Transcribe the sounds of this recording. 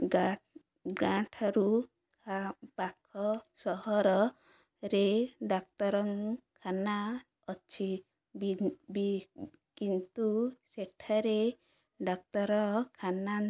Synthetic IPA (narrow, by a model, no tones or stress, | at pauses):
a | ɡãʈʰaɾu | bakʰɔsɔɦɔɾɔ | ɾeɖak̚t̪ɔɾɔŋkʰana | ɔt͡ʃʰi | bibi | kint̪useʈʰaɾe | ɖak̚t̪ɔɾɔkʰana